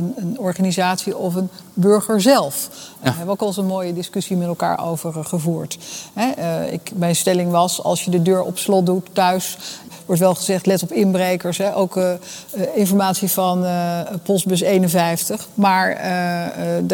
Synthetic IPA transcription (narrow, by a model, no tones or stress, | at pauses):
ənənɔɹχanizaːtsiɔfənbɵɹχəɹzɛlˠfɦɛbəowkɑlˠsonmoːjədɪskɵsimɛtɛlˠka̰ːɹo̰wvəɹχəvuːɹtɦɛɪ̰kmɛjnstɛlɪŋʋɑsɑ̰lˠsjədədøːɹɔ̰pslɔt̚dutːœɥs | ʋɔɹtʋɛlˠχəzɛχtlɛtɔpɪnbrejkəɹsɦɛʔowk | ɪnfɔɹmaːtsivɑnpɔst̚bɵs̬ejnənvɛjftəχmaːɹə